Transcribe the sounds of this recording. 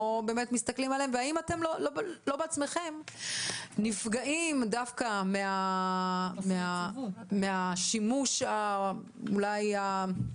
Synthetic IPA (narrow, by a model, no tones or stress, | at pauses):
obe̞ːmet̪mist̪aklimaleẽmveaimate̞mloloblo̞beat͡sme̞χem | nifɡaʔimdafkamea | meameaʃimuʃa | ulaja